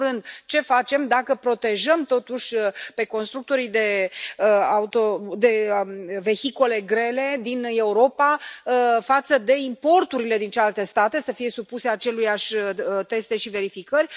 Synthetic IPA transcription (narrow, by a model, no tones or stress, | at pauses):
ɾɨnd̪t͡ʃe̞fat͡ʃe̞md̪akəpɾo̞t̪e̞ʒəmt̪o̞t̪uʃʲpe̞ko̞nst̪ɾuk̚t̪o̞ɾid̪e̞ | aut̪od̪e̞ve̞çiko̞le̞ɡɾe̞le̞d̪ine̞uɾo̞pa | fat̪səd̪e̞impo̞rt̪uɾile̞d̪int͡ʃelalt̪e̞st̪at̪e̞səfije̞supuse̞at͡ʃe̞lujaʃʲt̪e̞st̪e̞ʃive̞ɾifikərʲ